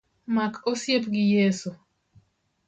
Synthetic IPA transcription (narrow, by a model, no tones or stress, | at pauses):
makʰosjepɡɪjesu